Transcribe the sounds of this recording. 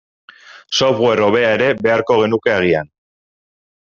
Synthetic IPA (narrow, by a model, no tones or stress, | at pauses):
so̞βɣwe̞ɾo̞βe̞ae̞ɾe̞βe̞aɾko̞ɣe̞nuke̞aɣ̞ian